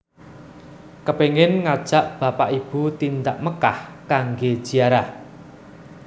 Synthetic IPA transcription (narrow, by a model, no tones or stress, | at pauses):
kəpeŋɪnŋad̥ʒ̥a̤ʔb̥a̤paʔib̥ut̪ind̪aʔməkahkaŋɡe̥ʒ̥i̤aɾa